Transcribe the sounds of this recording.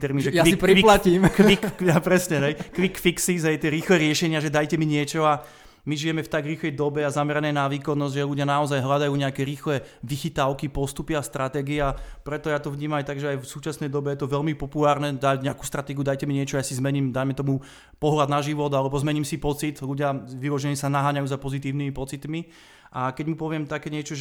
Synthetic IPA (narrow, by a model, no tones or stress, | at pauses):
t̪ɛɾminʒɛiiɾiplaciːmkʋikːapɾɛsɲɛɦɛjkʋikfiksizɦɛjt̪ɪɛɾiːxlɛɾɪɛʃɛɲɪaʒɛd̪ajcɛmiɲɪɛt͡ʃɔa | miʒijɛmɛft̪aɡɾiːxlɛjd̪ɔbɛazamɛɾanɛjnaʋiːkɔnːɔzɟʲʒɛluɟɪanaɔzajɦlad̪ajuːɲɛakɛɾiːxlɛ | ʋixit̪aʊkipɔst̪upiast̪ɾat̪ɛɡiɛapɾɛt̪ɔjaːt̪ɔʋɲiːmamajt̪aɡʒɛajfsuːt͡ʃasnɛjd̪ɔbɛjɛt̪ɔʋɛʎmipɔpulaːɾnɛd̪aɟɲɛaku̥st̪ɾat̪ɛɡiud̪ajcɛmiɲɪɛt͡ʃɔajasizmɛɲiːmd̪ajmɛt̪ɔmu | pɔɦlad̪naʒiʋɔd̪alɛbɔzmɛɲimsipɔt͡sit̪ʎuɟɪaʋilɔʒɛɲɛsanaɦaːɲajuːzapɔzit̪iːʊnimipɔt͡sit̪mi | ʔakɛɟmupɔʋɪɛmt̪akɛːɲɪɛt͡ʃɔʒ